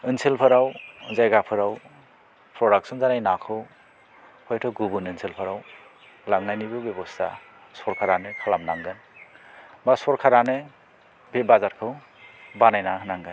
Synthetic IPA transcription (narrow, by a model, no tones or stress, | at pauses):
ɯnsʰilpʰɯɾawzajɡapʰɯɾaw | pɾɔɾak̚sʰɔnzanajnakʰɯw | hʰɔjtʰɔɡubunɯnsʰilpʰɯɾaw | laŋnajnibɯbjebɔstʰa̰ | sɔɾkʰaɾanɯkʰalamnaŋɡɯn | basɔɾkʰaɾanɯ | bebazaɾkʰɯw | banajnakʰnaŋɡɯn